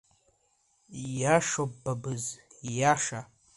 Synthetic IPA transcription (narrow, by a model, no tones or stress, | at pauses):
jaʂobːabɨzjaʂa